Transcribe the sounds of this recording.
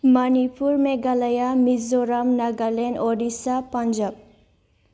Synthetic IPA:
manipuɾmeɡalajamizɔɾamnaɡalenɔɖisapand͡ʒab̚

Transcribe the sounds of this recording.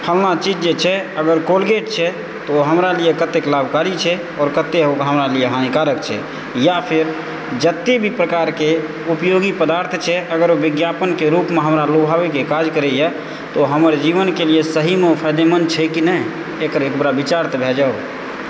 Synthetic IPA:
pʰəlnat͡ʃid͡ʒd͡ʒet͡ʃʰɛəɡəɾkolɡeʈ̚t͡ʃʰɛ | t̪oɦəmɾaliekət̪ːeklabʱkaɾit͡ʃʰɛ | ɔːɾkət̪ːeɦokɦəmɾalieɦanikaɾəkt͡ʃʰɛ̰ | japʰeɾ | d͡ʒət̪ːebʱipɾəkaɾke | upjoɡipəd̪aɾt̪ʰt͡ʃʰɛʔəɡəɾobiɡjapənkeɾupmeɦəmɾalobʱabekekad͡ʒkəɾɛjɛ | t̪oɦəməɾd͡ʒiʋənkeliesəɦimepʰəjd̪emənt͡ʃʰɛkinɛj | ekəɾekbɾabit͡ʃaɾt̪ʰbʱed͡ʒao

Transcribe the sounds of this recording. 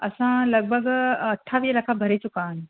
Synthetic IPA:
ɐ̰sãlɐɡ̚bʱəɡɐʈʰːaʋiːɦəlɐkʰabʱɐɾit͡ɕʊkaːɪnɪ̃

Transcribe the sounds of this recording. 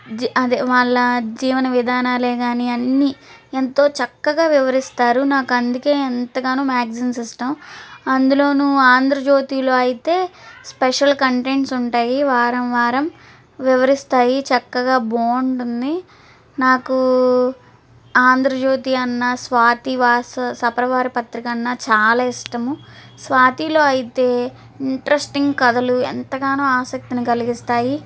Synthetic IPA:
d͡ʒɐd̪eʋaːɭːɐd͡ʒiːʋɐnɐʋid̪ʱaːnaːleːɡaːniɐnːient̪o̞ːt͡ʃɐkːɐɡaːʋiʋɐɾist̪aːɾunaːkuɐnd̪uke̞ːɐnt̪ɐɡaːnuːmaːɡsinsisʈɐmɐnd̪ulo̞ːnuaːnd̪ʱɾɐd͡ʒo̞ːt̪iːlo̞ːɐjit̪e̞ːspɛʂɐlkɐɳʈeɳʈsuɳʈaːjiʋaːɾɐmʋaːɾɐm | ʋiʋɐɾist̪aːjit͡ʃɐkːɐɡaːboːɳɖund̪i | naːku | aːnd̪ʱɾɐd͡ʒo̞ːt̪iːɐnːɐsʋaːt̪iʋaːsɐsɐpɾɐʋaːɾipɐt̪ɾikɐnːɐt͡ʃaːlaːiʂʈɐmusʋaːt̪iːlo̞ːɐjit̪e̞ː | iɳʈɐɾesʈiŋɡkɐd̪ɐluɛ̰nt̪ɐɡaːnoːaːsɐk̚t̪inikɐliɡist̪aːji

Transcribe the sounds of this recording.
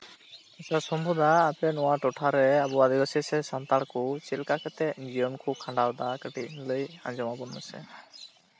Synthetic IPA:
ɛsasɔmbʱud̪aːpɛnɔwaʈɔʈʰaɾɛabuad̪iɡɔsɛsɛsant̪aɭkut͡ʃilkakət̪ɛd͡ʒijɔnkʰukʰãɳɖawd̪akəʈinləjã̰nd͡ʒɔmabɔnːəsɛ̰

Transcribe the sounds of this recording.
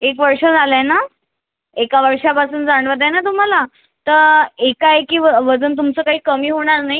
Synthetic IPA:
ekʋəɾʂəd͡zʱaləjna | ekaʋəɾʂapasuːnd͡zaɳ̃ʋəd̪enat̪̬um̤ala | t̪əɾekajkiːʋəʋəd͡zənt̪̬umt͡səːkaɦiːkəmiːɦoɽ̃aɾnaɦj

